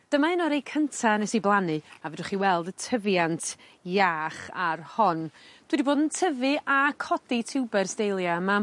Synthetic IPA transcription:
d̥əmaɪnɔɾejkʰəntʰanɛsiblˠanɨavɛdwʊχiwɛlˠdətʰəvjantʰ | jaːχarhɔnd̥widiboːdəntʰəvɨʔakʰɔditʰɪwbɛrsdejlˠjama

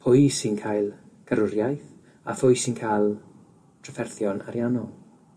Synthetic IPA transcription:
pʰʊjsinkʰaːjlˠ | ɡ̥aɾʊɾjajθ | a̰fʊjsɪnkʰaːjlˠ | tʰrafɛrθjɔna̰ɾjanɔlˠ

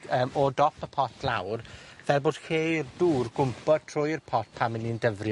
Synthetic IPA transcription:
əːmɔdɔpʰəpʰɔtʰlˠawrvɛlˠboːd̥xeːrduːrɡʊmpɔd̥̚tʰrʊjrpʰɔt̚pʰamɪnindəvrj

